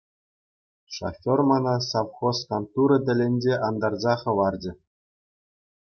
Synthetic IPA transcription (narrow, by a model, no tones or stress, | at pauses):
ʂo̰fʲːormɑnɑsɑfχoskɑnt̪uɾɤ̆d̪ʲɘ̆lʲɘ̆nʲd͡ʑeʔɑnd̪ɑrzɑχɤ̆ʋɑrd͡ʑɘ̆